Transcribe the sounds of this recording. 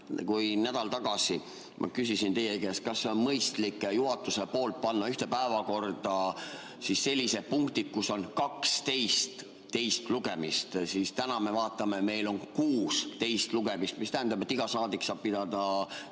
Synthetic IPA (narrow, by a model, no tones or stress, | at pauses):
kujnæd̪̥ɑlt̪ɑɡ̥ɑsi | mʔɑ̰kysisint̪ejekest̪̚kɑsːeo̞nmɤjst̪likːˑjuɦɑt̪ːˑusepo̞ːlt̪̚pɑnːɑyht̪e̞pæevɑko̞rd̪̥ɑ | sisːe̞lʲːise̞d̪̥̚puŋkt̪id̪̥̚kusːo̞nkɑkst̪e̞jst̪ː | e̞jst̪luɡ̥e̞mist̪sist̪ænɑme̞vɑːt̪ːˑɑme̞me̞jlo̞nkuːst̪e̞jst̪luɡ̥e̞mist̪mist̪æɦænd̪ɑb̥e̞t̪ːiɡ̥ɑsɑːd̪iksɑːb̥̚pid̪ɑd̪̥ɑ